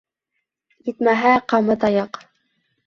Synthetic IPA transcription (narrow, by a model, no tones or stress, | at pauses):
jit̪mæɦæqɑmɤt̪ɑjɑq